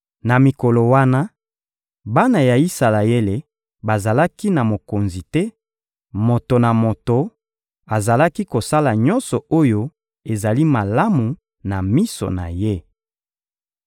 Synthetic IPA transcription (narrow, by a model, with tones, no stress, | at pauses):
na˨mi˨ko˨lo˨wa˦na˦ | ba˦na˨ja˨i˦sa˨la˨e˦le˨ | ba˨za˨la˦ki˦na˨mo˨ko˨nzi˨tɛ˦ | mo˨to˨na˨mo˨to˨ | a˨za˨la˦ki˦ko˨sa˦la˨ɲɔ˦nsɔ˨o˦jo˦ | e˨za˨li˦ma˨la˦mu˨ | na˨mi˦so̰˨na̰˨je˦